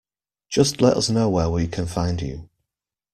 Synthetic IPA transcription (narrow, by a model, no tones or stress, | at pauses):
d̥ʒ̥ʌstlɛtʌ̰snoʊwəwəjəkʰə̃nfãɪ̃nd͡ʒʉ̰